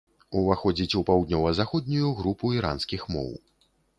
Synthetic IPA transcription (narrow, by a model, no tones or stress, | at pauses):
uvaxɔd͡zʲit͡sʲupawd̪̚ʲnʲɔvɐzaxɔd̪ʲnʲujuɣɾupuiɾa̰nskʲixmɔ̰w